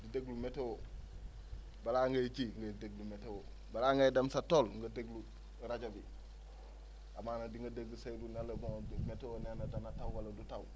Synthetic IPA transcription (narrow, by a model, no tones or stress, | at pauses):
dideɡlumetewo | balaŋɡajt͡ʃiŋɡadeɡlumetewo | balaːŋɡajdamsatolŋɡɐdeɡlu | ɾaɟabi | amanadiŋɡɐdeɡlusajlunalɐboŋmetewonenadanatawwalɐdutaw